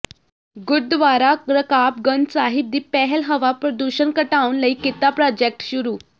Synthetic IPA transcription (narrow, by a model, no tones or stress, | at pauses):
ɡuɾ̚d̪ʋaɾaɾəkap̚ɡənsaɦib̚d̪iːpɛɦɛlɦəʋapɾəd̪uɕənkəʈaunləikit̪apɾɔd͡ʑek̚ʈɕuɾuː